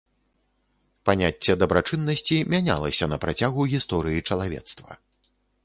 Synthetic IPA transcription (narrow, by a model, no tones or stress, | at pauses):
panʲat͡sʲːɛd̪ɐbɾat͡ʂɨnːɐsʲt͡sʲimʲanʲa̰lˠɐsʲɐnɐpɾat͡sʲaɣuɣʲist̪ɔɾɨjit͡ʂɐlˠavʲɛ̰t̪st̪vɐ̰